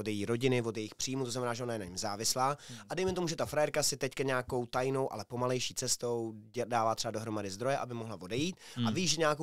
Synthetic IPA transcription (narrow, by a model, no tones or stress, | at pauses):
od̪jɛjiːɾo̞ɟɪnɪvo̞d̪jɛjɪxpr̝̥iːmut̪oznamɛnaːʒɛonajɛnaɲɪmzaːvɪslaːʔadɛjmɛt̪o̞muʒɛt̪afɾajɛɾkasɪt̪ɛckaɲaːko̞wt̪ajno̞wʔa̰lɛpo̞malɛjʃiːt͡sɛst̪o̞wdaːvaːt̪r̥ɛbado̞ɦɾomadɪzd̪ɾo̞jɛʔabɪmoɦlavo̞dɛjiːt̪̚aviːʒɛɲaːko